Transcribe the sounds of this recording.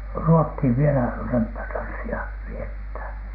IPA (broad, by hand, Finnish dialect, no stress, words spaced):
ruothiˑʋ ʋielæ rømpːætɑnsːiɑ ʋiethæˑn